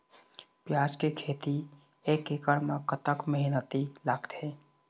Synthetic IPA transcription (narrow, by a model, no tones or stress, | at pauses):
pjaːd͡ʒkekʰeːt̪i | eːkɪkəɽmakət̪əkməɦɪnət̪ilaːɡt̪ẽː